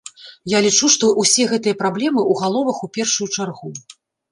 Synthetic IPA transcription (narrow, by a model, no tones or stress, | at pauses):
jalʲit͡ʂuʂt̪ɔʔusʲɛɣɛt̪ɨjɐpɾablʲɛmɨʔuɣalˠɔvɐxupʲɛrʂujut͡ʂarɣu